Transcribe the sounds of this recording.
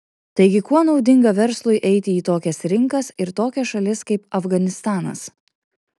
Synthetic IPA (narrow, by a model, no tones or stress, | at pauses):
t̪ɐɪɡʲɪkuɔnɒʊd̪ʲɪŋɡɐʋʲɛɾslˠʊɪʔɛɪt̪ʲɪiːt̪oːkʲɛsɾʲɪŋkɐsɪɾt̪oːkʲɛʃɐlʲɪskɐɪp̚ɐfɡɐnʲɪst̪ɑːnɐ̰s